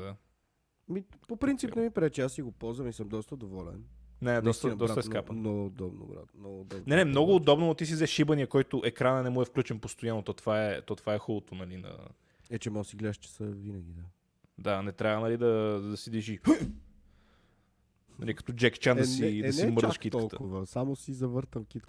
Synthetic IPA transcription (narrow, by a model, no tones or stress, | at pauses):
d̪a | ɐmipopɾint̪inɛmipɾɛt͡ʃasiɡopɔzvɐmisəmd̪ɔst̪əd̪ovɔlɛ̰nnɛɛd̪ɔst̪əd̪ɔsɾat̪əɛsskapənɔd̪ɔbno̰bɾa̰t̪mnɔɡd̪ɔb̪nɛnɛmnɔɡʊːd̪ɔbnonot̪is̬izɛʃibəniəkɔjt̪ʊʔɛkɾanənɛmuɛfklʲut͡ʃɛnpost̪ojanːot̪ɔt̪ovaɛt̪ɔt̪ovaɛxɔlˠot̪onɐlinɐ̰ | ɛt͡ʃɛmɔsiɡlɛd̪əʃt͡ʃɛ̥səvinəɡʲid̪a | d̪anɛt̪ɾʲavənɐlid̪ɐd̪ɐsid̪ɛʒi | nɐlikɐ̥t̪ɔd͡ʒɛkt͡ʃansid̪nimɤɾd̪əʃit̪kəlˠkʊvəsamosizɐvəɾt̪əmkit̪